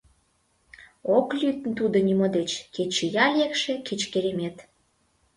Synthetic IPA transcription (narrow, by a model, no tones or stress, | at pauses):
oklʲyt̪ənt̪ud̪onymod̪et͡ɕket͡ɕijɑlʲekʃe̽ket͡ɕkeɾemet̪